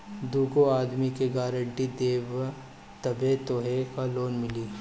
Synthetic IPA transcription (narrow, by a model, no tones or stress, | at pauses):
d̪uːkoaːd̪mikeɡaːɾə̃ɳʈid̪eːʋ | t̪ɐbet̪oɦekaloːnmɪliː